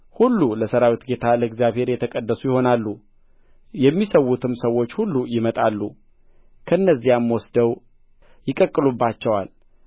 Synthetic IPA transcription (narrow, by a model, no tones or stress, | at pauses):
hulːuləsəɾawit̪ɡe̞t̪ʰaləɨɡzijaβhe̞ɾjɛt̪ʰəkʼəd̪ːəsujɪho̞nalːu | jɛmːisəwːut̪ʰɨmsəwo̞t͡ʃːhulːujɪmət̪ʼalːu | kʰəɨnːəzːijamːwɔsd̪əw | jɪkʼəkʼːɨlubːat͡ʃːɛwal